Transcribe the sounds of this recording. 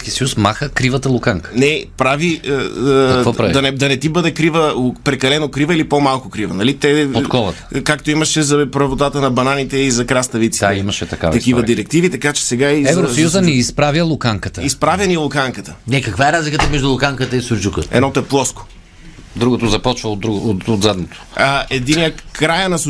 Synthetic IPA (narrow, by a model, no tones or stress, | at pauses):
skisɐjusmaxəkɾivət̪ɐlˠʊkaŋkə̥nɛpɾaviəɐkvɔpɾɐɐnɛd̪ɐnɛt̪ibɤd̪ɛkɾivəpɾɛkɐlɛnokɾivəilipomalˠkʊkɾivənɐlit̪ɛot̪klɔvˠɐ̰tt̪kakt̪oimɐʃɛzɐpɾɐvot̪at̪ənɐbɐnanit̪ɛizɐkɾast̪ɐvit̪siaimɐʃɛt̪ɐka̰t̪ɐkivɐd̪iɾɛk̚t̪ivit̪ɐkat͡ʃɛ̥sɛɡaiɛzvɾosɐjuzənɛispɾavjəlˠʊkaŋkət̪əispɾavʲjɐnilˠʊkaŋkət̪ənɛkɐkvaɛɾazlikət̪əmɛʒd̪ʊlˠʊkaŋkət̪əisʊɾd͡ʒukəɛ̰d̪nɔt̪oɛplˠɔsko̥ | d̪ɾuɡot̪ozɐpɔt͡ʃvəɾuɡot̪od̪zad̪not̪o̥əɛd̪iniəkɾajənɐsʊ